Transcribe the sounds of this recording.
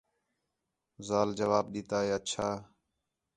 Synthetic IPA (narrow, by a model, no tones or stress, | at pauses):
zaːld͡ʒəʋaːb̚ɗiːt̪aːɦeːətːt͡ʃʰaː